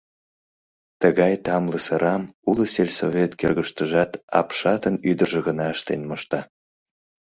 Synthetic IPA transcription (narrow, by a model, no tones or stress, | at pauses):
t̪əɣɑjt̪ɑmləsəɾʔɑmuləselʲsovʲet̪kerɣəʃt̪əʒɑt̪ɑ̰pʃɑt̪ənyd̪ərʒə̆ɣənɑəʃt̪enmoʃt̪ɑ